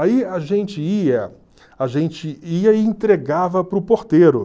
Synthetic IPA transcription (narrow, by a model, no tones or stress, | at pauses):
aiaʒẽnt͡ʃɪiɐ | aʒẽnt͡ʃɪiɐɪẽnt̪ɾeɡavɐpɾʊpoɾt̪eɾʊ̰